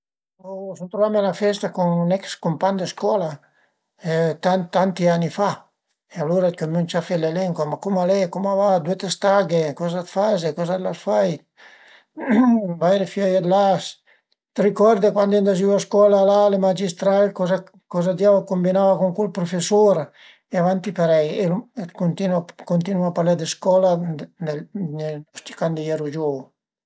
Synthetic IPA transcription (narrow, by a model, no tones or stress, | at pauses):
osunt̪ɾovamelafɛst̪akuŋnɛkskompaɲd̪eskɔla | et̪ant̪ːant̪ianifa | ealoɾakomunt͡ʃafɛlelɛŋkwamakumalɛkumavad̪wet̪est̪aɡekɔzat̪fazekɔzad̪lasfaj | vaeɾefjɔjad̪las | t̪rikɔɾd̪ekwand̪end̪az̬iaskɔlalalemad͡ʒist̪ɾalkɔza | kɔzad̪javakombinavakuŋkulpɾofesoɾa | eavant̪ipeɾɛjelkont̪inwakont̪inuapaɾlɛd̪eskɔlad̪eeɔst̪i̥kand̪ijɛɾud͡ʒo